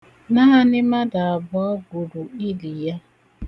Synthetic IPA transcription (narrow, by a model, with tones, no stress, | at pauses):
na˦ɦa˦nɪ˦ma˦da˨a˨bɔ˦ɔ˦ɡu˨ɾu˨i˦li˨ja˦